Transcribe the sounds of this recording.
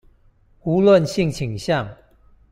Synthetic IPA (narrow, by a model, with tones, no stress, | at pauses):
u˨˦lwə˥˨nɕi˥˨ŋt͡ɕʰi˨˩ŋɕjɑ˥˨ŋ